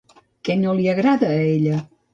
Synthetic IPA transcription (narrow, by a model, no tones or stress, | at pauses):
kɛnoliəɣɾaðəːeʎə